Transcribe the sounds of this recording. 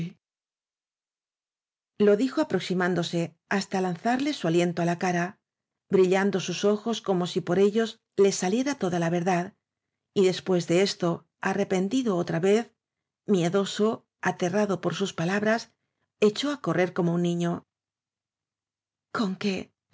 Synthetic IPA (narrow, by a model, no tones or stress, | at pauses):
lo̞ðixo̞apɾo̞ksimãnd̪o̞se̞ | ast̪alanθaɾle̞sualje̞nt̪o̞alakaɾa | bɾiʎand̪o̞suso̞xo̞sko̞mo̞sipo̞ɾe̞ʎo̞z | le̞salje̞ɾat̪o̞ðalaβe̞ɾðað | iðe̞spwe̞zðe̞e̞st̪o̞ | are̞pe̞nd̪iðo̞ot̪ɾaβe̞θ | mje̞ðo̞so̞ | at̪e̞raðo̞po̞ɾsuspalaβɾas | e̞t͡ʃo̞ako̞rʔe̞ɾko̞mo̞unːĩɲo̞ | ko̞ŋke̞